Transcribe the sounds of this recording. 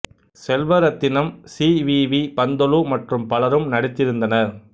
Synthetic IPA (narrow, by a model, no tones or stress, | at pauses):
sɛlʋɐɾɐt̪ːɪnɐmsiːʋiːʋipɐnd̪ɔlumɐʈrɯmpɐlɐɾɯmnɐɽɪt̪ːɪɾɯnd̪ɐnɐ